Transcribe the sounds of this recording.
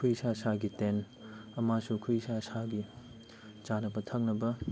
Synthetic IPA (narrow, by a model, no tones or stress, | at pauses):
kʰujsasaɡiten | ɐmasukʰujsasaɡi | t͡ʃanɐbɐtʰɐk̚nɐbɐ